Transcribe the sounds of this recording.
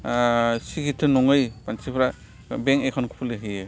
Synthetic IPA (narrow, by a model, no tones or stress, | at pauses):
sikitʰːɯnɔŋɯjpansipʰɾa | beŋekʰɔnkʰu̥pʰuleɦɯje